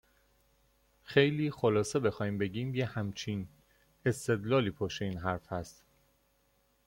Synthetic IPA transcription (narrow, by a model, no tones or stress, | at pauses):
xejliːxolɒːsebe̞xɒːjiːmbe̞ɟiːmjehæmt͡ʃʰin | e̞st̪e̞d̪lɒːliːpʰoʃeiːnɦæɾfhæst̪